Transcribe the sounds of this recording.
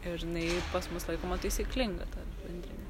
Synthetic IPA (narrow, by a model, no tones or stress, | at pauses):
ɪɾɪnɐɪpɐsmʊslˠɐɪkoːmɐt̪əɪsʲiɪklʲɪŋɡɐt̪ɐbʲɛnʲd̪ʲɾʲɪnʲɛ